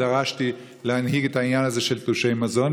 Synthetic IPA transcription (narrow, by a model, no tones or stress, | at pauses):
aʁaʃti | lehanhiɡɛthainjanhazeʃɛltuʃejmazɔn